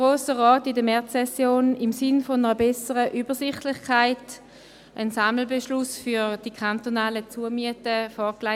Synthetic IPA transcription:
ʁoːsəʁɔːtɪdəmɛɐɛsjoːnɪmsɪnfɔnəʁəbɛsəʁəʔyːbəsɪχtlɪχkʰaɪt | ʔənsaml̩bɛʃlʊsfyd̥ikʰantonaːlət͡suəmyətəfɔːkla

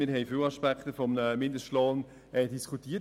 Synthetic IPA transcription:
mɪɾɦɛɪfɪwɑʃpæktəfɔmnəmɪndəsloːn | ɛdiskʰutiːə

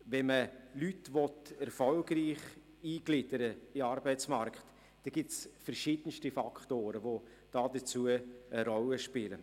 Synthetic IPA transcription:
ʋɛnməlytʋɔtɛɾfɔlɡriːχ | iːɡ̥lɪd̥əɾəɪɑːɾbɛɪt͡smaɾkχt | d̥ɛɡ̥ɪtsfɛɾʃɪd̥ənʃtifakχtoːɾəʋo | d̥ɑːd̥ət͡suəəɾɔləʃpɪlə

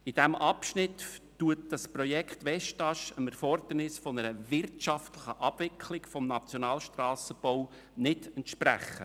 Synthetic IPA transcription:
ɪd̥æmʔɑpʃnɪtː | uət̚d̥ɑspɾɔjɛkχt̪ʋɛʃtɑʃəmɛɾfɔɾd̪̥ərnɪsfɔnəɾəvɪrtʃɑftləχəʔɑb̥vɪkʰlɪɡfɔmnɑt͡sjɔnɑːlʃtrɑːsəb̥ow | nɪdɛntʃpɾæ̰χːə̰

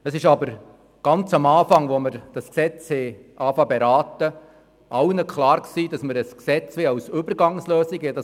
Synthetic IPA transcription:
əsɪʃɑbəɾ | ɡ̥ɑnt͡sɑmɑːfɑŋʋoməɾd̥ɑsksɛt͡shɛ | ʔɑːfɑbɛɾɑːtə | ʔɑwnəkʰχlɑːɾksiːdɑsməɾəsksɛt͡sʋɪɑwsʏbəɾɡɑŋsløːsiɡədɑ

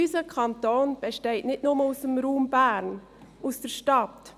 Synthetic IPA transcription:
ysəkʰɑnt̪oːnb̥eʃtɛɪtnɪtnʊməusəmɾuːmbæːɾn | usd̥əɾʃtɑt

